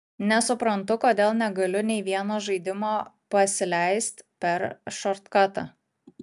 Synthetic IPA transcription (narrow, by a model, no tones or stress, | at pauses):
nʲɛsʊpɾɐnt̪ʊkoːd̪ʲeːlˠnʲɛɡɐlʲʊnʲɛɪʋʲiɛnoːʒɐɪd̪ʲɪmoː | pɐsʲɪlʲɛɪst̪ʲpʲɛɾʃɔɾt̪kɑt̪ɐ̰